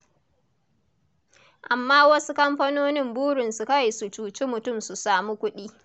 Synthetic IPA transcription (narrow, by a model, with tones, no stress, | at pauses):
ʔa˨mːaː˦wɐ˦su˦kɐ˦mɸɐ˦noː˦nɪ˦mbuː˦ɽɪ˨nsu˨kɐ˦˨su˨t͡ʃuː˨t͡ʃi˦mʊ˨tʊ˦˨msu˨saː˨mu˦kʷʊ˦ɗiː˦